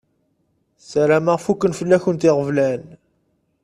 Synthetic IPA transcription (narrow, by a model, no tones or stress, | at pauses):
sæɾæmaʁfukːənfəlːæçənt̪ɪʁəvlæn